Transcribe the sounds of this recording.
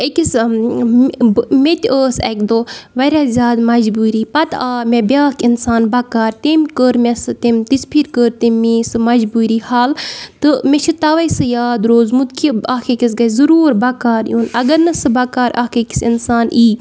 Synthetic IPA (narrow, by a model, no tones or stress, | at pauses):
ekis | met̪ʲəːsɛ̰kd̪oːʋɐɾʲaːzʲaːd̪mɐd͡ʒbuːɾiːpɐt̪aːmʲebʲaːkinsaːnbɐkaːɾt̪emkəɾmʲesɨt̪emt̪ispʰiɾkəːɾt̪emiːsɨmɐd͡ʒbuːɾiːhaːlt̪ɨmet͡ʃʰit̪ɐʋɐsɨjaːd̪ɾoːzmut̪kʰiaːkʰekisɡɐjzuɾuːɾbɐkaːɾjuːnɐɡɐɾnɨsɨbɐkaːɾʔa̰ːkʰeki̥sḭnsaːniː